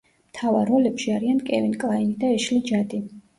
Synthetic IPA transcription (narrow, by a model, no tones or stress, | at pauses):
mt̪ʰavaɾːɔlɛpʃiaɾiankʼɛvɛnkʼlˠainid̪aɛʃlid͡ʒad̪i